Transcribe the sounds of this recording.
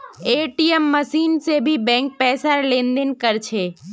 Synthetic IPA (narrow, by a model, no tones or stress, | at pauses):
eːʈiəmːəsiːnsebʱibɛ̃ːŋk̚pɛːsaɾlẽːnd̪ɪnkəɾt͡ʃʰeː